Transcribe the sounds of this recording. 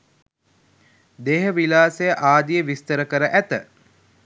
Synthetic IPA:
d̪eɦəʋilaːsejəʔaːd̪ijəʋist̪əɾəkəɾəʔæt̪ə

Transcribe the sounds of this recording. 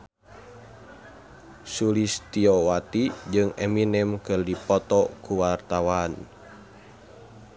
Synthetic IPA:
sulist̪iɔwat̪id͡ʒɨŋɛminɛmkɨrdipɔt̪ɔkuwart̪awan

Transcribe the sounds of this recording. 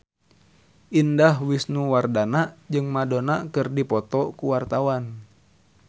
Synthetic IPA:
ʔindaɦwisnuwardanad͡ʒɨŋmadonakɨrdipɔt̪ɔkuwart̪awan

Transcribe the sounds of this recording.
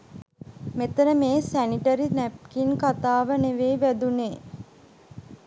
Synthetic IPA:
met̪ənəmeːsæniʈəɾinæp̚kinkat̪aːʋəneʋeːʋæd̪uneː

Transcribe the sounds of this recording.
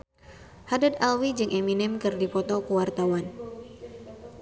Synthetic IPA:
hadad̪alwid͡ʒɨŋʔeminɛmkɨrdipɔt̪ɔkuwart̪awan

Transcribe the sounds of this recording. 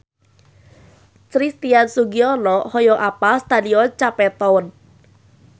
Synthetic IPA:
t͡ʃɾist̪iansuɡiɔlɔhɔjɔʔapast̪adiɔt͡ʃapɛt̪ɔwən

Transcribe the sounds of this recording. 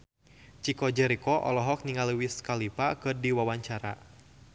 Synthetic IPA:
t͡ʃikɔd͡ʒɛɾikɔʔɔ̰lɔɦɔk̚niŋaliwiskalipakɨrdiwawaɲt͡ʃaɾa̰

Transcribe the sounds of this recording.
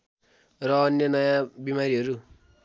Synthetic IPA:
rʌːnjʌnʌjãbimaɾiɦʌɾu

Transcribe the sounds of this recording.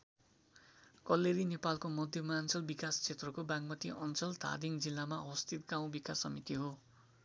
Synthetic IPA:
kʌlːeɾinepalkomʌd̪ʱjʌmant͡sʌlbikast͡sʰet̪rʌkobãŋmʌt̪iʔʌnt͡sʌlt̪ʰa̰d̪iŋd͡zilːamaʌwʌst̪ʰit̪ɡaw̃bikasʌmit̪iɦo

